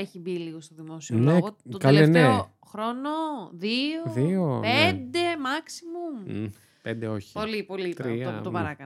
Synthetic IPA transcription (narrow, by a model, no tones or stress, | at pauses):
eçibiliɣost̪oðimo̞sionloeɣoot̪kɐleeneo | xɾo̞noðioðiopend̪e̞mɐksimum | pend̪eoçi̥polipolit̪ɾiɐout̪opɐɾɐkɐn